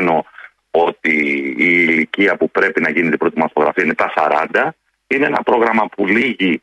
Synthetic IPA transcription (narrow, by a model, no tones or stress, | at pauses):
no̞ | o̞t̪iː | liciɐpupɾe̞pinɐʝinit̪ibɾo̞t̪imɐθo̞ɣɾɐ̰fiɐinet̪ɐsɐɾɐnd̪ɐ | inee̞nɐpɾo̞ɣɾɐmɐpuliʝi